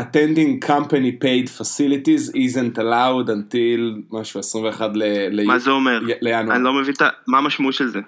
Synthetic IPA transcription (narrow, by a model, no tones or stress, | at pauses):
atẽndĩŋkʰampanipejdfasilitizizentalawdantilmaʃuesʁĩmveːχadlelejmazeomeʁlejanwanilomevint̪amaːmaʃmauʃelze